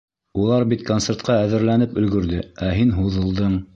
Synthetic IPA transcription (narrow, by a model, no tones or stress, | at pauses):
ulˠɑɾbit̪kont̪seɾt̪qɑæðɘ̆ɾlænɘpɵ̆lɡɵ̆ɾðɘæɦinɦuðɤ̆lˠd̪ɤɴ